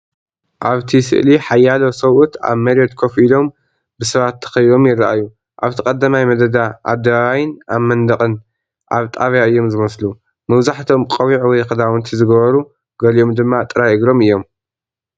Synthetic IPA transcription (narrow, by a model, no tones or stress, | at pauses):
ʔaβt̪ʰisɨ̰ʔliħajːalosɐwʔut̪a̰βmɐɾiot̪kʰofilo̞m | bɨsɐβat̪ʰːɐ̥xɐjβo̞mjɪraʔa̰ju | ʔaβt̪ʰɨkʼɐd̪ɐmajmɐd̪ɐd̪aʔa̰d̪ːɐβaβajɪnamːɐnd̪ɐkʼɨn | ʔaβt̪ʼaβjaɨjːo̞mzɨmɐslu | mɐβzaħt̪ʰo̞mkʼɐwiʕwɔjkɨd̪awɔnt̪ʰizɨɡɐβɐɾu | ɡɐlio̞md̪ɨmːat̪ʼɨɾajɨɡɾo̞mɨjːo̞m